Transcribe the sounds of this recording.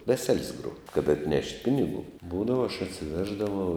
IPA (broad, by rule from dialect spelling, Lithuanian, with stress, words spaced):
ˈʋʲæːsʲɛlʲsʲ ɡruɔ kɐt ɐtʲˈnʲɛʃʲtʲ ˈpʲɪnʲɪɡuː ˈbuːdɐʋɐ ɐʃ ɐtʲsʲɪˈʋʲæːʒdɐʋɐʊ